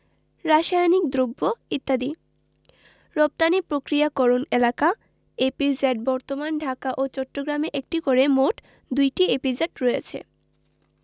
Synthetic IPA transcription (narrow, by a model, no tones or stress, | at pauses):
ɾaʃajnikd̪ɾobːoit̪ːad̪i | ɾop̚t̪anipɾokɾijakɔɾonelaka | epid͡ʑɛɖ̚bɔɾt̪omanɖʱakaʔot͡ɕɔʈːoɡɾameʔek̚ʈikoɾemoʈ | d̪ujʈiepid͡ʑeɖɾojet͡ɕʰḛ